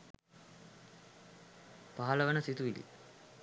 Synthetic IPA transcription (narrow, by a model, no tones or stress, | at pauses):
paɦaləʋənəsit̪uʋilḭ